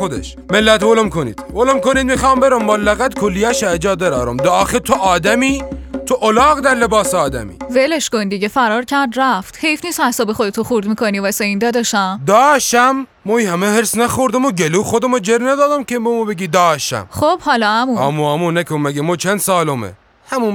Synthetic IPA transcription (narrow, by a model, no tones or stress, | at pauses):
xod̪ḛʃ | melːæt̪volomkʰonḭd̪̥volomkonid̪mixɑːmbeɾomːolːæɣæd̪kʰolːijæʃæːd͡ʒɑːd̪æɾɑːɾomd̪ɒːxet̪ʰoʔɒːd̪æmiːt̪ʰoʔolɑːɣd̪æɾlebɑːseɒːd̪æ̰mḭːveleʃkond̪iɟʲefæɾɒːɾcʰæɾd̪ɾæft̪hejfniːst̪hæst̪ɔbexod̪et̪ʰoχuɾd̪mikonivæseind̪æd̪ɔʃæmd̪ɒːʃæmː | ɔːihæmeheɾsnæxoɾd̪æmoɟeluːxod̪æmod͡ʒeɾnæd̪ɒːd̪æmkʲʰebomobeɡʲiːd̪ɒːʃt̪æ̰mχob̥hɒːlɒæmuæ̰ːmuæmunækʰommːæɡemɔːt͡ʃʰænd̪sɑːlomḛ | hæmun